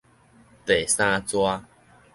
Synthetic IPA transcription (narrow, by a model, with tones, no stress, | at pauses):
t̪e˨sã˦˧t͡swa˦